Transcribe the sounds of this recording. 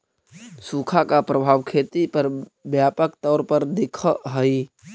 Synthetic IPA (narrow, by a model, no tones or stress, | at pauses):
sukʰakapɾəbʱaːʋkʰet̪ipəɾbjapək̚t̪ɔːɾpəɾd̪ɪkʰəɦəi